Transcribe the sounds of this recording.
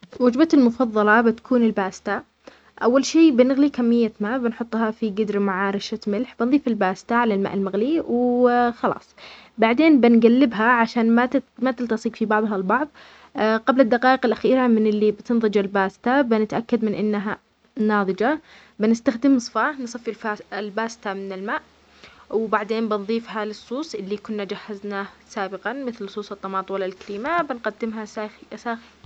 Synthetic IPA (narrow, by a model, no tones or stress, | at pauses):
wad͡ʒbat̪almʊfɑðˤːɑlɑbɪt̪ḁkʰuːnɪlbaːst̪a | ʔawːalʃeːbɪnɪɣlikamːɪjːamaːʔbɪnħʊt̪ˤːhɑfiɡɪd̪ɾmaʕaːɾɪʃat̪mɪlħbɪnðˤiːfɪlbaːst̪aʕalalma̰ʔɪlmaɣliwxɑlɑ̰ːsˤ | baʕd̪eːnbɪnɡalːɪbɦaʕaʃaːnmamat̪ɪlt̪ɑsˤiːqfibɑʕðˤɦɑlbɑʕðˤ | qablad̪ːaqɑːʔɪqɪlʔaxiːɾamɪnɪlːibɪt̪ɪnðˤɨd͡ʒalbaːsɪ̥t̪abɪnɪt̪ʔakːad̪mɪnʔɪnːaɦa | nɑːðˤɨd͡ʒa | bɪnɪst̪axd̪ɪmsˤfansˤɑfilfalbaːsɪ̥t̪amɪnɪlmaːʔ | wbaʕd̪eːnbɪnðˤiːfhalɪsˤːuːsˤʔɪlːikʊnːad͡ʒahːaznaːsaːbɪqɑnmɪθlsˤuːsˤɨt̪ˤːɑmɑːt̪ˤwalːalkaɾiːmabɪnqad̪ːɪmɦasaːxi